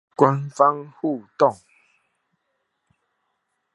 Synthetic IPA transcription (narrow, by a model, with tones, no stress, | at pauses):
kwa˦nfa˦ŋhu˥˨t̪ɔ˥˨ŋ